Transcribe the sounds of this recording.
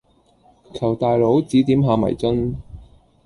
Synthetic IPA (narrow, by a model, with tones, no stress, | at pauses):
kʰɐ˨˩wt̪aː˨jlo˨˥wt͡siː˨˥t̪iː˨˥mɦaː˨˧mɐ̰˨˩jt͡sɐ˥n